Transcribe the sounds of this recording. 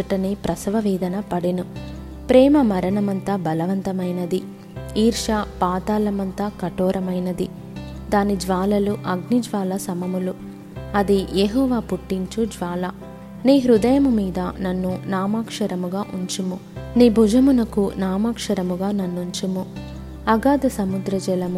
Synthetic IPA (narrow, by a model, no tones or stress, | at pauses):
ɐʈɐnipɾɐsɐʋɐʋɛːd̪ɐnɐpɐɽinu | pɾɛːmɐmɐɾɐɳɐmɐnt̪ɐbɐlɐʋɐnt̪ɐmɐjnɐd̪i | iːɾʂɐpaːt̪aːlɐmɐnt̪ɐkɐʈɔːɾɐmɐjnɐd̪i | d̪aːnid͡ʒʋaːlɐluʔɐɡnid͡ʒʋaːlɐsɐmɐmulu | ɐd̪ijeːɦɔːʋaːpuʈːiɲt͡ʃud͡ʒʋaːlɐ | niːɦɾud̪ɐjɐmumiːd̪ɐnɐnːunaːmaːkʂɐɾɐmuɡaːʔuɲt͡ʃimuniːbʱud͡ʒɐmunɐkunaːmaːkʂɐɾɐmuɡaːnɐnːuɲt͡ʃimu | ɐɡaːd̪ɐsɐmud̪ɾɐd͡ʒɛlɐmu